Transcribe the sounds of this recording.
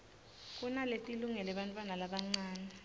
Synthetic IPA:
k̬ʼunaletʼiluŋɛlɛɓantʼwanalaɓaŋ͡ǀaːnɛ

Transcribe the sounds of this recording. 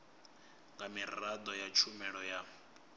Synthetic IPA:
ŋɡamirrad̪ɔjat͡ʃʰumɛɺɔja

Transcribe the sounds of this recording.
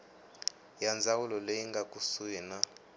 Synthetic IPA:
jand͡zawulɔlejiŋɡakʼusujɛna

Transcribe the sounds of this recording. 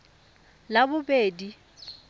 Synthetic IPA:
labʊbeːdi

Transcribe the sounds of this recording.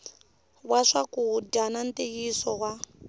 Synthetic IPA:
waʂakuɟanantejisɔwa

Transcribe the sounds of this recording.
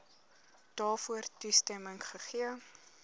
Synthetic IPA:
d̥ɑːfuərtustɛməŋχəχiə

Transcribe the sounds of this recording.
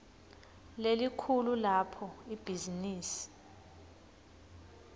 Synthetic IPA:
lelikʰululapʰɔib̥ʱiziniːsi̥

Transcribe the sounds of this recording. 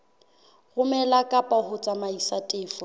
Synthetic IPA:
ɣʊmɛlakʼapʼahʊt͡sʼamaisatʼɪːfɔ

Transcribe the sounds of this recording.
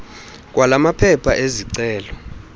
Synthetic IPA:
k̬ʼwalamapʰɛpʰaʔeziǀɛːlɔ

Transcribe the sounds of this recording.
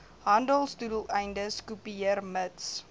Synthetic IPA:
ɦɐndəlˠstudəlˠɛjndəskupiəərməts

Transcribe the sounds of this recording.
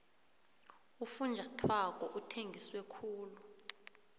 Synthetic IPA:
ufund͡ʒʱatʰwak̬ʼɔʔutʰeŋɡʱiswɛkʰuːlu

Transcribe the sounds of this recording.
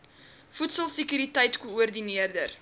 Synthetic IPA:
futsəlˠsikyɾitɛjtkuuərdiniərdər

